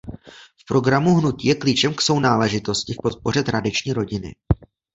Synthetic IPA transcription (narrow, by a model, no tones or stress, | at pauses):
fpɾo̞ɡɾamuɦnuciːjɛklit͡ʃɛmkso̞wnaːlɛʒɪt̪o̞scɪfpo̞t̪̚po̞r̝ɛt̪ɾadɪt͡ʃɲiːɾo̞ɟɪnɪ̰